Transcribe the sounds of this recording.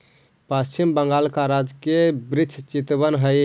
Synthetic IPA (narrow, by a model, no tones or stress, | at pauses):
pəst͡ʃimbəŋɡaːlkaɾad͡ʒkebɾit͡ʃʰt͡ʃit̪bənɦəj